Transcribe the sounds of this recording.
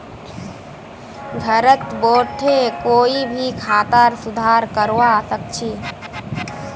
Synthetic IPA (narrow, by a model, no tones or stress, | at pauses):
ɡʱəɾət̪boːʈʰekoːibʱikʰaːt̪əɾsʊd̪ʱaːɾkəɾwasək̚t͡ʃʰi